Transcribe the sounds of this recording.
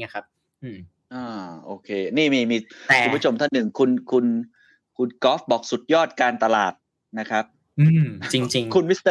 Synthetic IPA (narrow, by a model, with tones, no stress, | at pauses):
kʰa˦˥p̚ | ʔɯ˧˩ | ʔaː˧˩ʔoː˧kʰeː˧niː˥˩miː˧˩miː˧kʰːu˧mbʰu˦˥˩o˧mt̪ʰa˥˩nːɯ˨˩ŋkʰu˧nkʰu˧n | kʰu˧nkɔː˦˥fbɔː˨˩k̚su˨˩t̪̚jɔː˥˩t̪̚kaː˧nt̪a˧la̰ː˨˩t̪̚ | na˦˥kʰɾa˦˥p̚ | ʔɯː˧˩mt͡ɕi˧ŋt͡ɕi˧ŋkʰu˧nwi˦˥st̪ɤ˥˩